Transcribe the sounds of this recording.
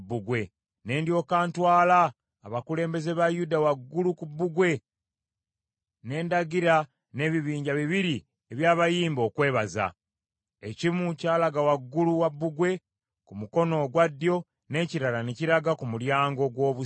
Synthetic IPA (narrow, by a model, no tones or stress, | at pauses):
bːuɡwe̞ | ne̞ːndjo̞ːkaːntwaːlaː | βakule̞ːmbe̞ze̞βajudawaɡːulukubːuɡwe̞ | ne̞ːndaɡiɾa | ne̞ːβiβiːɲɟaβiβiɾi | eβjaːβajiːmbo̞ːkwe̞ːβaza̰ | ecimucaːlaɡawaɡːuluwabːuɡwe̞ | kumuko̞no̞ɡwadːjo̞ | ne̞ːciɾalaneciɾaɡakumuljaːŋɡo̞ɡwo̞ːβu